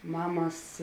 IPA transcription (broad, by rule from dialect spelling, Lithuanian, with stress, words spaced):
ˈmɑːmɐs